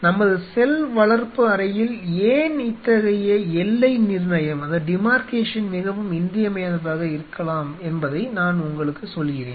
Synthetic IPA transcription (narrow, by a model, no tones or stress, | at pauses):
nɐmːɐðɯsɛlʋɐɭɐɾpɯɐɾɐjɪleːnɪt̪ːɐɣɐjɐɛlːɐɪnɪɾnɐjɐmɐðɐɖɪmaːɾkeːʂɐnmɪɣɐʋɯmɪnd̪ɪjɐmɐjɐnɐðaːɣɐɪɾɯkːɐɭaːmɛnbɐðɐɪnaːnʊŋɡɐɭɯkːɯsɔlːɣɪrḛːn